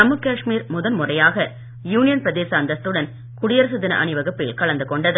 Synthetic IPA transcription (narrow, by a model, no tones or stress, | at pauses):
ɐmɯkːaːʂmiːɾmʊðɐnmʊrɐjaːɣɐ | juːnɪjɐnpɪɾɐðeːsɐːnd̪ɐst̪ːɯɽɐn | kʊɽɪjɐɾs̬ɯðɪnɐ̰ʔɐ̰nɪʋɐɣɐpːɪlkɐɭɐnd̪ɯkɔɳɖɐðɯ